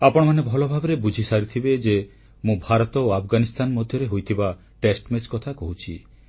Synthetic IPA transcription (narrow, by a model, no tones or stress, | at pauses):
apɔɽ̃ɔmanebʱɔlɔbʱabɔɾebud͡ʒʱisaɾit̪ʰibed͡ʒe | mũbʱaɾɔt̪ɔoapʰɡanist̪anɔmɔd̪ʱjɔɾeɦojt̪ʰiba | ʈesʈmet͡ʃkɔt̪ʰakɔɦut͡ʃʰḭ